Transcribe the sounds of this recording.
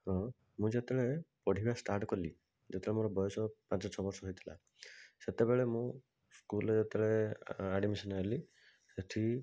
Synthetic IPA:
hɔ̃ | mũd͡ʒet̪eɭepɔɽ̤ibasʈaɾʈkɔli | d͡ʒet̪ʰeɭemoɾɔbɔjɔsɔpãnt͡ʃɔt͡ʃʰɔbɔɾsɔɦojt̪ʰila̰ | set̪ebeɭemũ | skulɔd͡ʒet̪eɭeaɖimisɔnali | set̪ʰi

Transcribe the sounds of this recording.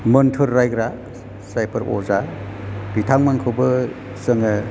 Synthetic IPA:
mɯntʰɯɾːajɡɾa | sajpʰɯɾɔ̰za | b̥itʰaŋmankʰɯwbɯ | səŋɯ

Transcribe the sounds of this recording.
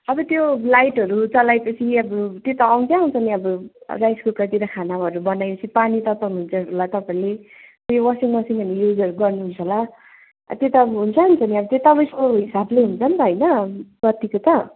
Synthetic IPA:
ʌbʌt̪jolajʈɦʌɾut͡sʌlajpʌt͡sʰiʌbʌt̪jot̪ʌːw̃nt͡saaw̃nt͡sʰʌniʌbʌ̰rajskokʌt̪iɾʌkʰanaʌɾubʌnajpʌt͡sʰipanit̪ʌt̪ʌnuɦunt͡sʌɾulat̪ʌpaĩle | t̪jowʌsiŋwʌsiŋʌnejud͡zʌɾuɡʌrnuɦunt͡sʰʌla̰ | t̪jet̪ʌʌbʌɦunt͡sʰʌɦunt͡sʰʌniʌbʌt̪jet̪ʌpaj̃sʌooɦisableɦunt͡sʰʌnt̪ʌɦʌjnʌɡʌt̪ikot̪ʌ

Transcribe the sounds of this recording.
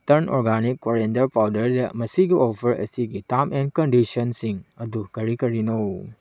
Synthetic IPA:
tɐɾno̰ɾɡanikːoɾendɐɾpawdɐɾdɐmɐsiɡiɔpʰɐɾɐ̰siɡitamenkɐndisɔnsiŋɐdukɐɾikɐɾinow

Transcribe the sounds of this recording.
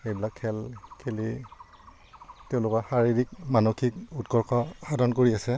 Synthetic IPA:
ejbilakʰːɛlkʰeli | tɛʊ̃lʊkɔxaɹiɹik̚manokʰikutkɔɹkʰɔadɔnkoɹiasɛ

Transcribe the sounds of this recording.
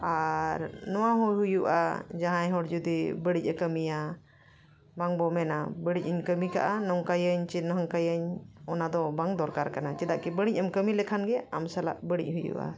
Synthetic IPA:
aɾnɔwaɦujɦujuʔa̰d͡ʒaɦãjɦɔɽd͡ʒud̪ibəɽic̚ˀəkəmija | baŋbɔmɛnabəɽic̚əɲkəmika̰ʔanɔŋkajəɲt͡ʃinɔɦaŋkajəɲɔnad̪ɔbaŋd̪ɔɾkaɾkanat͡ʃɛd̪aʔkɛbəɽ̃ic̚ˀəmkəmilɛkʰanɡɛamsala̰ʔbəɽḭc̚hujṵʔa̰

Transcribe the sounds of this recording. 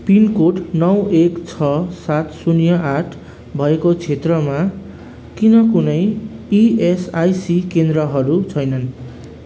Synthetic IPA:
pinkoʈnʌwekt͡sʰʌsat̪sunjʌʔaʈʰ | bʱʌekot͡sʰet̪rʌma | kinʌkunʌjiesajsikend̪ɾʌɦʌɾut͡sʰʌjnʌn

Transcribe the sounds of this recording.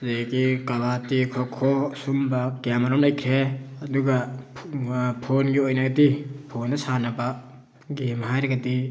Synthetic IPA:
zakikabatikʰɔkʰɔsumbakjamaɾɔmlajkʰeɐduɡa | pʰonɡiojnaɡɐtipʰonːɐsanaba | ɡemɦajɾeɡati

